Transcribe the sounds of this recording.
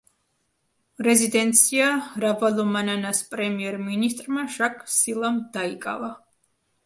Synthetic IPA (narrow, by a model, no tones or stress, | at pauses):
ɾɛzid̪ɛnt̪sʰiaɾavalɔmananaspʼɾɛmiɛɾminist̪ʼɾmaʃakʰʼsilˠamd̪̥aikʼa̰va